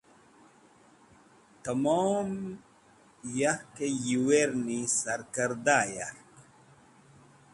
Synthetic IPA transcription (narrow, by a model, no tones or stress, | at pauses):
t̪amoːm | jahkejiweɾnisaɾkəɾd̪aja̰